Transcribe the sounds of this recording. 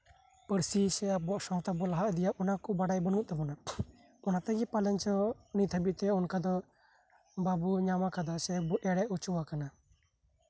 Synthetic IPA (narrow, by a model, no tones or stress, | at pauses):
pəɾsisɛabuaʔsɔŋt̪abɔlaɦaʔd̪ijaʔɔnakɔbaɖajbənuʔt̪ɛbɔna | ɔnat̪ɛɡɛpalɛɲt͡ʃɔnit̪ʰəbiʔt̪ɛɔnkad̪ɔ | babuɲamakad̪asɛabɔʔɛɽɛʔut͡ʃuwakana